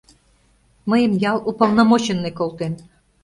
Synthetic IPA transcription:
məjə̆mjɑlˠupəlˠnɑmot͡ɕĕnːekolˠt̪en

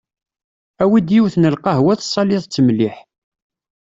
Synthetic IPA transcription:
æwid̪jiwθnəlqɑɦwæθsˤːɑlɪðˤt͡sːəmliħ

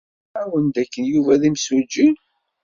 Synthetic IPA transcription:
æwənd̪ækːənjuvæðimsud͡ʒːin

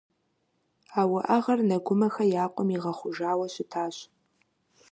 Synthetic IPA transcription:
aːwɐʔɐʁɐrnɐɡʷʊmɐxɐjaːqʷʼɔmiʁɐχʷʊʒaːwɐɕɪtʰaːɕ

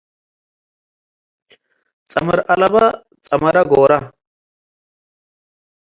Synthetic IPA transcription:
t͡sʼɐmɐɾɐlɐbɐ | t͡sʼɐmɐɾɐɡoːɾɐ

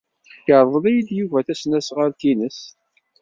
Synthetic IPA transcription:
θçəɾˤðˤəlæjəd̪juvæθæsnæsʁaɾt̪inəs

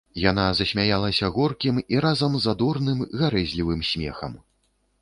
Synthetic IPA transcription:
janazɐsʲmʲajalˠɐsʲɐɣɔrkʲimiɾazɐmzad̪ɔrnɨmɣaɾɛzʲlʲivɨmsʲmʲɛ̰xɐ̰m

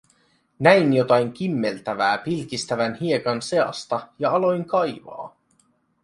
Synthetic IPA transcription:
næinjot̪ɑjŋk̟imːe̞lt̪æʋæːpilk̟ist̪æʋænhie̞kɑnse̞ɑ̰st̪ɑjɑɑlo̞jŋkɑjʋɑ̰ː

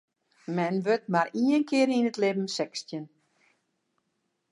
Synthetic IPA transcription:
mɛnʋøt̚maɾiənkʰɪəɾinətlɪbm̩sɛkstjən

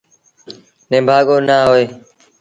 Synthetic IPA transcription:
nẽːmbʱaːɠoːnaːɦoːeː

